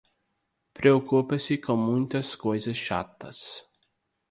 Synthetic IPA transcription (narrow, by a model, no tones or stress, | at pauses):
pɾeokupesʲikəmunt̪eskozeʃa̰t̪ːa̰s